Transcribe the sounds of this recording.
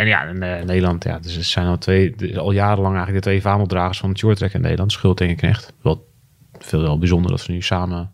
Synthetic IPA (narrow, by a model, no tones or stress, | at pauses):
ɛnja̰nənejdəlˠɑntʰja̰dsəsɛjnɔlˠtʰʋeːɔlˠjaːɾəlɑŋɛjɣŋləɡdətʋeːfaːnɔdraːɣəsfɔnətjʊətrɛkɪnːḛjdəlɑntsχɪlˠtɪŋəknɛ̰xtʋɔ | fɪːlˠʋɛlˠbizondə̰rdɔ̰tʋənysaːmə